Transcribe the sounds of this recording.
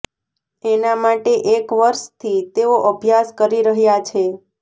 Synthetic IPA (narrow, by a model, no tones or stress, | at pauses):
enamaʈeʔekʋəɾʃt̪ʰit̪eoʔəbʱjaskəɾiɾəɦjat͡ʃʰe